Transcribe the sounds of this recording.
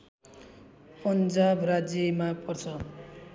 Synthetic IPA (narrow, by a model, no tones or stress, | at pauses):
pʌnd͡zabrad͡zjʌmapʌrt͡sʰʌ